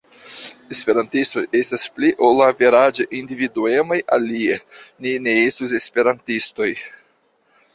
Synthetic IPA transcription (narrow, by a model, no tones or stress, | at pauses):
e̞spe̞ɾantisto̞je̞staspliʔolaviɾad͡ʒeʔindividue̞mojʔa̰lienine̞estus̬e̞spe̞ɾantisto̞j